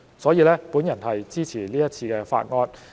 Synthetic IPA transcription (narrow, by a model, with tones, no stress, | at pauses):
sɔː˨˥jiː˧lɛː˥puː˨˥njɐ˨˩nhɐ˨jt͡siː˥t͡sʰiː˨˩liː˥jɐ˥t̚t͡sʰiː˧kɛː˧fa̰ː˧t̚ŋɔː˧t̚